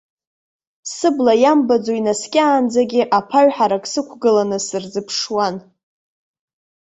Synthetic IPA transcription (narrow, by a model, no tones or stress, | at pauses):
sɨblajambad͡zoinaskʲʼaːnd͡zaɡʲɪʔapʰaɥħaɾakʼsɨkʷʰɡɨlanɨsɨrd͡zɨpʰʂwan